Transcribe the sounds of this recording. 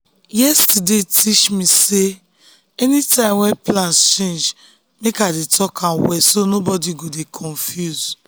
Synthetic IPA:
jɛstidetit͡ʃmĩse | ɛnitãɪ̃mwɛ̃nplãnst͡ʃẽnd͡ʒ | mekadetɔkʰãwɛsonobɔdiɡodekʰɔ̃nfjuz̥

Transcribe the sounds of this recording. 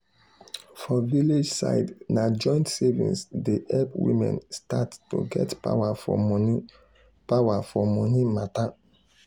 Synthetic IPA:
fɔviled͡ʒsa̰ɪdnad͡ʒɔ̃ɪ̃ntsevḭ̃nsdeʔɛlpwḭmɛ̰̃nstatto̰ɡɛ̰tpa̰wafɔ̰mɔni | pawafɔmɔnimata

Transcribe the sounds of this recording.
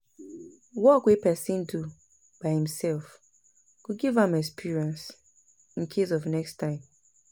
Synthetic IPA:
wɔkwipɛsĩndu | b̥aɪhĩm̩sɛlf | kuɡivãmɛkspʰiɹiɛ̃ns | ĩŋ̩kʰesɔvnɛkstʰãɪ̃m

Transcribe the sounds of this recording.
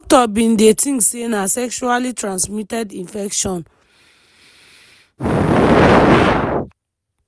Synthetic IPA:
ktɔbĩndetĩŋksenasɛkʃualitɹãnsmitɛdĩnfɛkʃɔ̃n

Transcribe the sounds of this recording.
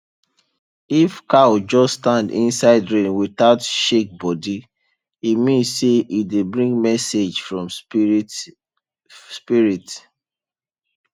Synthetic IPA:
ifkawd͡ʒɔsstãndḭ̃nsaɪdɹẽnwiθaʊtʃek̚bɔdi | imĩnsseʔidebɹĩŋɡmɛsed͡ʒfɹɔ̃m | spiɹit

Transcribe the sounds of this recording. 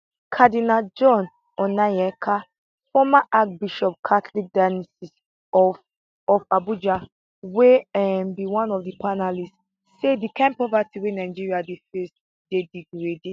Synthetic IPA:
kʰadinad͡ʒɔ̃n | ɔnajɛkʰa | fɔmaʔak̚biʃɔp̚kʰatlik̚danɛsis | ɔ | ɔfabud͡ʒa | weɛmbiwãnɔfdipanalist | sedikʰãmpɹɔvatiwenaɪd͡ʒiɹiadefes | d̥ediɡɹede

